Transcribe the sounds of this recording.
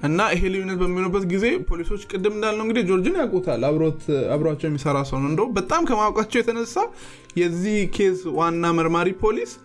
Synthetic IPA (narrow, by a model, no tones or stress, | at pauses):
ʔɨnːaiɦelijunːət̪bəmːinoɾbːət̪ɡize̞pʰo̞liso̞t͡ʃːkʼɨd̪ːɨmɨndalnəwŋɡɨd̪id͡ʒo̞ɾd͡ʒɨnjakʼut̪ʰalːaɾot̪aβɾoat͡ʃːɛwjɛmːisəɾasəwnɨnd̪əbət̪ʼamkʰəmawkʼat͡ʃːɛwjɛt̪ʰənəsːa | jɛzːihkʰe̞swanːaməɾmaɾipʰo̞lis